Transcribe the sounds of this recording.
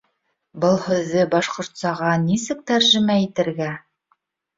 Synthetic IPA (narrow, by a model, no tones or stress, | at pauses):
bɤlˠhɵ̆ðːɘbɑʃqŏɾt̪sɑʁɑnisɘk̚t̪æɾʒɘ̆mæit̪ɘ̆ɾɡæ